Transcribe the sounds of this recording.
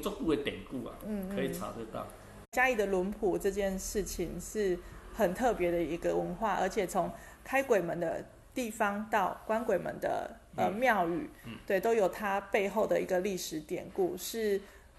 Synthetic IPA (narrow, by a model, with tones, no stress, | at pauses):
t͡so˥˧t̪u˥˩d̪ə˨˩t̪jɛ˨˩nku˥˩a̰˨˩n̩˥˩k̩ʰɤ˧˦i˨˩t͡sa̰˧˥t͡sə˥˧t̪ɑ̰˥˩ | t͡ɕja˥i˥˩d̪ə˩lwə˧˥npʰu˨˩ʈ͡ʂɤ˥˧t͡ɕjɛ˥˧nʂɻ̩˥˩t͡ɕʰi˨˩ŋʂɻ̩˥˩xə˨˩nt̪ʰɤ˥˩pjɛ˧˥d̪ə˧i˧˥ɡə˧wə˧˥nxwa˥˩ʔə̰˧˥t͡ɕʰjɛ˨˩t͡sʰo˧˥ŋ | kʰa˥ɪkwe˨˩ɪmə˧˦nd̪ə̰˧ | t̪i˥˩fɑ˥ŋt̪ɑ˥˩ʊkwa˥nkwe˨˩ɪmə̰˧˥nd̪ə̰˧ | ə˧mjɑ˥˧ʊy̰˨˩t̪we˥˩ɪt̪o˥ʊjo˨˩ʊt̪ʰa˥pe˥˧ɪxo˥˩ʊd̪ə˩i˧˥ɡə˧li˥˩ʂɻ̩˧˥t̪jɛ̰˨˩nku˥˩ʂɻ̩˥˩